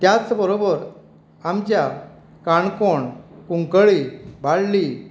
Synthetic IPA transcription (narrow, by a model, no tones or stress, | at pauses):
t̪jat͡sbəɾobəɾ | amt͡ɕja | kaɳkoɳkuŋkəɭibʱaɽli